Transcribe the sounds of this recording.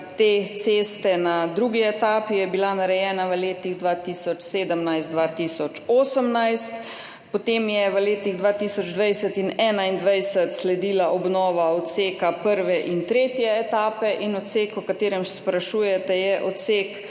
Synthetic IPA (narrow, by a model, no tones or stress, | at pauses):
t̪eːt̪seːst̪ɛnad̪ɾuɡiɛt̪aːpijɛbilanaɾɛjɛːnaʋəleːt̪iɣd̪ʋaːt̪iːsɔt͡ʃseːd̪əmnajst̪d̪ʋaːt̪isɔt͡ʃoːsəmnajst̪ | pɔt̪emjɛʋəleːt̪iɣd̪ʋaːt̪isɔd͡ʒd̪ʋajsət̪inɛːnaind̪ʋajsət̪slɛd̪iːlaʔɔbnɔːʋaɔt̪seːkapəɾʋɛʔint̪ɾeːt̪jɛːt̪aːpɛʔinɔt̪sekɔkat̪eːɾɛmsspɾaʃuːjɛt̪ɛjɛʔɔt̪seːk